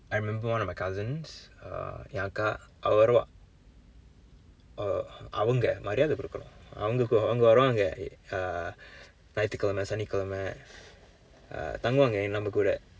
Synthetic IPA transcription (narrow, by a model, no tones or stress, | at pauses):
aɪɾɪmɛ̃mbəwɐ̃nɔmɐɪkʰɐzɪ̃ns | jaːkaʔɐʋɐʋɐɾɐʋã̰ː | ɐ̰ʋɐŋɡɐmɐɾɪjaːðɯkːɪɾɯkːɐnʊ̰̃ɐ̰ʋɐŋɡɐkːɐʋɐŋɡɐʋɐɾɐʋaːŋɡɐ | nɐjt̪ːɯkːɐlɐmɐsɐnɪkːɐlɐmɛ | t̪ɐŋɡɯʋaːŋɡɐnɐmːɐkuːɽɐ̰